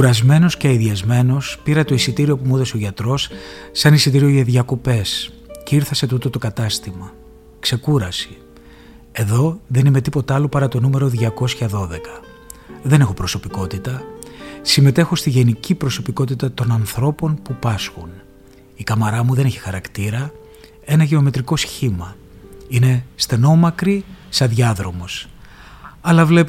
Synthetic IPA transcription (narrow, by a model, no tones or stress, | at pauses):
kuɾɐzme̞no̞sceɐiðiɐzme̞no̞spiɾɐt̪o̞isit̪iɾio̞pumuðɐseoʝɐt̪ɾo̞sːɐnisit̪iɾio̞ʝɐðʝɐko̞pe̞s | ceiɾθɐse̞t̪ut̪o̞t̪o̞kɐt̪ɐst̪imɐ | kse̞kuɾɐsi̥ | e̞ðo̞ðe̞nime̞t̪ipo̞t̪ɐlopɐɾɐt̪o̞nume̞ɾo̞ðʝɐko̞sçɐðo̞ðe̞kɐ | ðe̞nexo̞pɾo̞sopiko̞t̪it̪ɐ | sime̞t̪e̞xo̞st̪iʝe̞nicipɾo̞so̞piko̞t̪it̪ɐt̪o̞nɐnθɾo̞po̞npupɐsxun | ikɐmɐɾɐmuðe̞ne̞çi̥xɐɾɐkt̪iɾɐ | e̞nɐʝe̞o̞me̞t̪ɾiko̞sçimɐ | ine̞st̪e̞no̞mɐkɾisɐðʝɐðɾo̞mo̞s | ɐlɐvle̞p